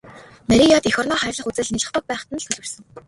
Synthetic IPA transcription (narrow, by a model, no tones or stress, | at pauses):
næɾʲiːkjaːt̪ixɔːrnɔːχæːrʲɮə̆χut͡sɘ̆ɮniɮə̆χt̪ʰɞ̆k̚pæːχ̆t̪ə̆n̆t̪ʰɵɮwɘ̆rsɘ̆ŋ